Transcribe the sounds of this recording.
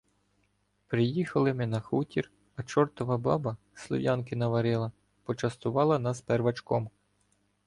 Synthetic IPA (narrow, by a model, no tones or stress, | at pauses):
pɾɪjixɐlˠɪmɪnɐxutʲir | ɐt͡ʃɔrt̪ɔʋɐbɑbɐ | slˠɔ̰ʋjɑnk̬ɪnɐʋɐɾɪlˠɐ | pɔt͡ʃɐst̪ʊʋɑlˠɐnɐsperʋɐt͡ʃkɔm